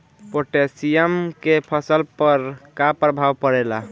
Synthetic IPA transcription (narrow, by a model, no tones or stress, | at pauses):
poʈesijəmkepʰəsəlpəɾkapɾəbʱawpəɾela